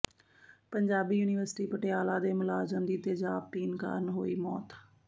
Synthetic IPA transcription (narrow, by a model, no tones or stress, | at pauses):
pəɲd͡ʒaːbiːjuːnɪʋəɾsɪ̥ʈiːpəʈejaːlaːd̪eːmʊlaːzəmd̪iːt̪eːd͡ʒaːb̚t̪iːnka̰ːɾnɦoːiːmɔːt̪